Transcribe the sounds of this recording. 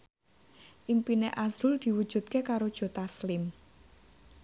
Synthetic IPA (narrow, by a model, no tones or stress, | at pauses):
ʔimpineʔazɾʊld̪̥i̤wud̥ʒ̥ṳt̪̚kekaɾod̥ʒ̥o̤t̪aslɪm